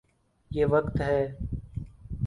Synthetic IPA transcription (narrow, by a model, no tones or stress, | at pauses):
jeːʋəkt̪ɦɛː